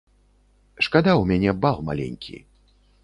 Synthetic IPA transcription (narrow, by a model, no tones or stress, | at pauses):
ʂkad̪awmʲanʲɛbalˠma̰lʲɛ̰nʲkʲʰḭ